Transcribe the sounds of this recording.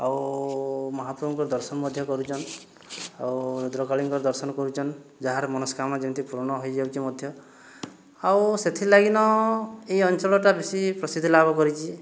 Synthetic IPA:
aw | mɔɦapɾɔbɔŋkɔɾd̪ɔɾsɔnmɔd̪ʱjɔkɔɾut͡ʃʰɔn | awd̪ɾɔkaliŋkɔɾd̪ɔɾsɔnɔkɔɾut͡ʃʰɔnd͡ʒaɦaɾmɔnɔskamad͡ʒint̪ʰipuɾɔɳɔɦɔjd͡ʒawt͡ʃimɔd̪ʱjɔ | awset̪ʰilaɡinɔeiɔnt͡ʃɔɭɔʈabesipɾɔsid̪ʱilabɔkɔɾit͡ʃʰi

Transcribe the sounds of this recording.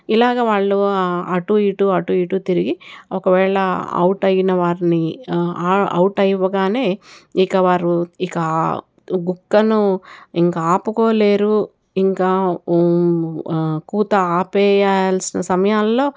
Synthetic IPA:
ilaːɡaːʋaːɭːuɐʈuiːʈuɐʈuiːʈut̪iɾiɡiɔkɐʋɛːɭɐɐ̰wʈɐjinɐʋaːɾniː | ɐ̰wuʈɐjiʋɐɡaːne̞ːikɐʋaːɾuikɐ | ɡukːɐnuiŋkaaːpuko̞ːle̞ːɾu | iŋkaː | kuːt̪ɐaːpɛːjaːlsinɐsɐmɐjaːllo̞ː

